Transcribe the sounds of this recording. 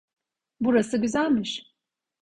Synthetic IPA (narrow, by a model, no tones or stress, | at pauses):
buɾasɯɟyzælʲmiʃ